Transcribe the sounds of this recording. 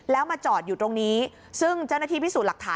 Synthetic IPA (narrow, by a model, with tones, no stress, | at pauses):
lɛː˦˥wmaː˧t͡ɕɔː˨˩t̪̚juː˨˩t̪ɾo˧ŋniː˦˥ | sɯ˥˩ŋt͡ɕa˥˩naː˥t̪ʰiː˥˩iː˦˥suː˨˩t̪̚a˨˩k̚t̪ʰaː˨˦